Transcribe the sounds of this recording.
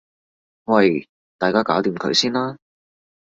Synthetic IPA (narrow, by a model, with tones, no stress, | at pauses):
wɐ˧j | t̪aː˨˩jkaː˥kaː˨˥wt̪iː˨˩mkʰɵ̰˨˧ɥsiː˥nlaː˥